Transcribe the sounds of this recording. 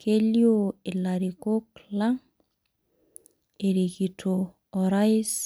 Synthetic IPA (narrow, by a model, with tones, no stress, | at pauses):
kʰe˦ljo˦e˨la˨ɾi˨ko˦kla˦ŋ | e˨ɾe˨ki˨tʰo˨ | ɔ˨ɾa˦ɪ˦s